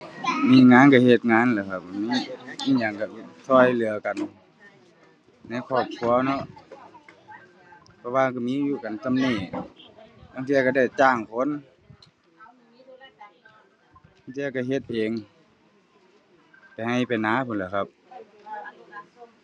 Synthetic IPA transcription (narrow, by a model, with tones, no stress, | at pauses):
miː˧˥˨ŋaː˧˥˨nka˧˩he˧t̪̚ŋaː˧˥˨nla˧˩kʰa˧˩p̚miː˧˥˨miː˧˥˨ɲa˨˩ŋka˧˩˧t̪ʰɔː˧˩jlɯ˨ɐka˨n | na˧˥˨kʰɔː˧˩p̚kʰu˧˨ɐnɔ˧˥ʔ | pʰɔ˧waː˧ka˧˩miː˧˥˦juː˧˩ka˨nt̪a˧˨mniː˧˩ | aː˧˨ŋt̪ʰi˧ka˧˩da˧˩jt͡ɕaː˧˩ŋkʰo˧˥˨n | aː˧˨ŋt̪ʰi˧ka˧˩ɦe˧t̪̚ʔeː˨ŋ | pa˨jha˧˩jpa˨jnaː˧˥˨pʰu˧˨nla˧˩kʰa˧p̚